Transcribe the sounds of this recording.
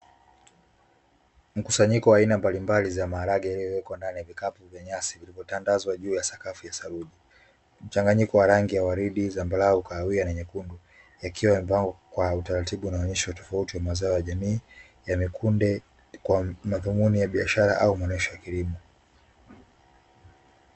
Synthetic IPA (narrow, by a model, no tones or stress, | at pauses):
m̩kusaɲikɔwaːinambalimbalizamaːɾaɡajaliɔwɛkwandanijavikapuvjaɲasivilivɔtandazwaʄuːjasakafijasaɾuʄi | m̩t͡ʃaŋɡaɲikɔwaɾaŋɡijawaɾiɗizambalaukaːwianɛɲɛkundu | jakʰiwam̩paŋɡɔkwautaɾatiɓunaɔɲɛʃiwatɔ̥fautiwamazaɔjaʄamiː | jamikʰundɛ | kwamaðumunijaɓiaʃaɾaʔaumaɔnɛʃɔjakilimɔ